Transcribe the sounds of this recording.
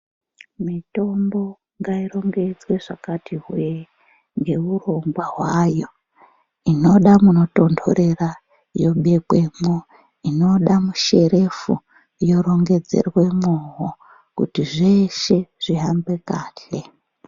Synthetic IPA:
mito̞mbo̞ | ŋɡairo̞ŋɡe̞d͡zwe̞ʐakatiɦwe | ŋɡe̞uro̞ŋɡwaɦwajo̞ | ino̞ɗamuno̞to̞ndʰo̞̰ɾe̞ra | jo̞ɓe̞kwemo | ino̞ɗamuʃe̞ɾe̞fu | jo̞ɾo̞ŋɡe̞d͡ze̞̰rwe̞moɦo | kṵtiʐeʃe̞ʐ̥iɦambe̞kaːɬe̞

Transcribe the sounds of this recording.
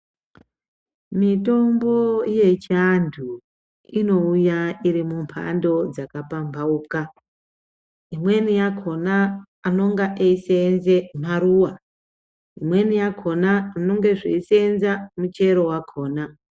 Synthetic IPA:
mito̞mbo̞ije̞t͡ʃandʰʱu | ino̞ujaiɾimumpʰa̰ndo̞d͡zakapambʱauka | imwe̞nijakʰo̞naː | no̞ŋɡaʔeisenzem̤aɾuwa | imwe̞nijakʰo̞naːno̞ŋɡe̞ʐḛisenzamut͡ʃe̞ɾo̞wakʰo̞ːna

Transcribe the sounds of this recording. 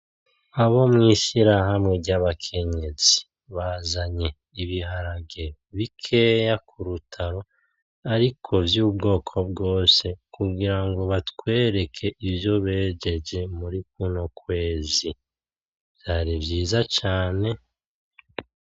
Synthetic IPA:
aβo̞mŋiʃiɾaɦamŋe̞ɟaβakʰe̞ɲe̞zi | βazaɲe̞ | iβiɦaɾaɡe | βikʰe̞ːjakʰuɾutʰaɾo̞ | aɾikʰo̞vjuːbɡo̞ːkʰo̞bɡo̞ːse̞kuɡiɾaŋɡo̞βatwwe̞ːɾe̞kʰe̞ʔivjo̞βe̞ːd͡ʒe̞d͡ʒe̞muɾik̚unokwe̞ːzi | v̥jaːɾivjiːzat͡ʃaːne̞

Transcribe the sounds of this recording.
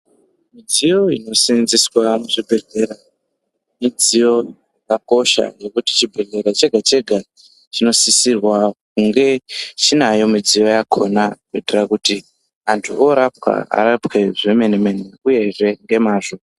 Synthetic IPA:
mid͡zijo̞ino̞sinziswamuʐibʱe̞ɮe̞ɾa | mid͡zijo̞ | akako̞ʃa̰je̞kuti̥t͡ʃibʱeɮe̞ɾat͡ʃe̞ɡʱat͡ʃe̞ɡʱa | t͡ʃino̞sisirwak̚uŋɡe̞t͡ʃinajo̞mid͡zijo̞jakʰo̞naketerakuti | antʰuʔoɾap̚ka̰a̰ɾapke̞ʐeme̞neme̞neuje̞ʐe̞ŋɡe̞maːʐo̞

